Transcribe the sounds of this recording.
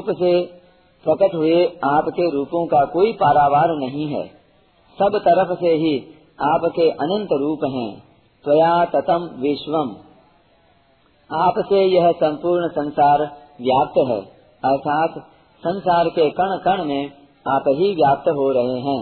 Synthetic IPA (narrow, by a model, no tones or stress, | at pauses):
uːpse | pɾɐkəʈɦʊeaːpkeɾuːpõkakoːipaːɾaːʋaːɾnɐɦĩɦɛ̰ː | sɐbt̪ɐɾəfseɦi | aːpkeʔɐnə̃nt̪ɾuːpɦɛ̰̃ː | t̪ʋɐjaːt̪ɐt̪əmʋɪʃʋəm | aːpsejɐɦsɐ̃mpuːɾɳsɐ̃nsaːɾ | ʋjaːp̚t̪ɦɛ̰ː | ɐɾt̪ʰaːt̪ | sɐ̃nsaːɾkekɐɳ̃kəɳ̃mẽ | aːpɦiʋjaːp̚t̪əɦoɾɐɦeɦɛ̃ː